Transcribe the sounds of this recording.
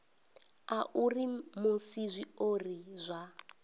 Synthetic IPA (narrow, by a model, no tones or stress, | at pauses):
aʔurimusizʷiorizʷa